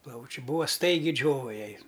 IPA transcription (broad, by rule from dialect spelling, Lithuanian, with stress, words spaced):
ˈplˠɐʊt͡ʃʲʊ ˈbuːɐ ˈstɐɪɡʲɪ ˈd͡ʒʲoːʋɐ ˈjɛɪ